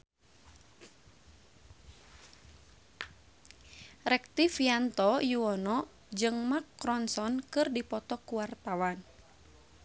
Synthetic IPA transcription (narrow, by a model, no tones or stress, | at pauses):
rɛk̚t̪ifiant̪ɔjuɔnɔ | d͡ʒɨŋmakːɾɔnsɔnkɨrdipɔt̪ɔkuwart̪awan